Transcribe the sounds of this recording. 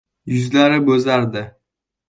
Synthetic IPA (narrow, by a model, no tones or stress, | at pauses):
jʊzlaɾɪbɵzaɾd̪ɪ